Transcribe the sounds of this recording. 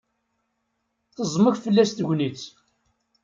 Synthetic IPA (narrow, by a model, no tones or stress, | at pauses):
θəzˤməçfəlːæst̪ʝnit͡s